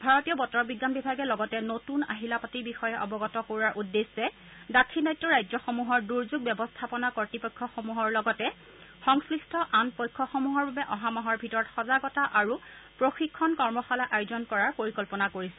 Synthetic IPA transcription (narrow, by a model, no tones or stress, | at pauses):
bʱaɹɔtijɔbɔtɔɹɔbiɡːanbibʱaɡɛlɔɡɔtɛnotuna̰ɦilapatibixɔjɛʔɔbɔɡɔtɔkoɹaɹʔudːesːɛ | datʰinajtːɔɹajzɔxomuɦɔɹduɹzuɡ̚bjɛbɔstʰapɔnakɔɹtipɔjkʰːɔxomuɦɔɹlɔɡɔtɛ | xɔŋsɹistʰɔʔanpɔjkʰːɔxomuɦɔɹbabɛʔɔɦamɔɦɔɹbʱitɔɹɔtxɔzaɡɔtaʔaɹupɹoxikʰːɔnkɔɹmɔxalaʔajʊzɔnkɔɹaɹpoɹikɔlpɔnakoɹisɛ̥